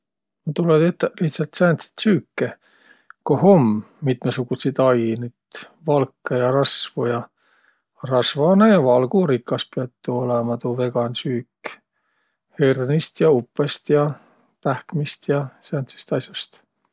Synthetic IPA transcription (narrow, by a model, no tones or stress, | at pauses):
not̪uled̪et̪ːliht̪sɑlt̪sæːnt̪si̥t̪syːkːe | kohomː | it̪ˑmesuɡ̥usid̪ɑjnyd̪̥ | vɑlkːejɑɾɑsvujɑ | rɑsvɑnejɑvɑlɡ̥uɾikːˑɑspiɑt̪ˑːuolemɑt̪uve̞ɡ̥ɑnsyːk | hernist̪jɑupːˑest̪jɑ | pæhkmist̪jɑsænt̪si̥st̪ɑsjɑst̪